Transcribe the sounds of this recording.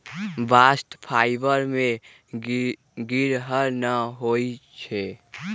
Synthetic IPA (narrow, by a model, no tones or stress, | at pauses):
baːsʈ̪pʰaːɪbəɾmẽ | ɡiɾɦəɾnəɦoit͡ʃʰɛ